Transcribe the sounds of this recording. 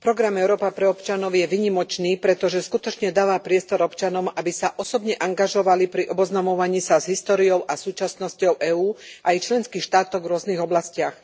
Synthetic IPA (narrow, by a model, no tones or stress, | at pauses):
pɾɔɡɾamɛʊɾɔːpapɾɛɔpt͡ʃanɔʊjɛʋiːɲimɔt͡ʃniːpɾɛt̪ɔʒɛskut̪ɔt͡ʃɲɛd̪aːʋaːpɾɪɛst̪ɔɾɔpt͡ʃanɔʊabisaʔɔsɔbɲɛʔaŋɡaʒɔʋalipɾiʔɔbɔznamɔʋaɲiːsazɦist̪ɔːɾijɔʊʔasuːt͡ʃasnɔscɔʊʔɛːuːʔajt͡ʃlɛnskixʃt̪aːt̪ɔɣvɾʊɔzniɣɔblascɪax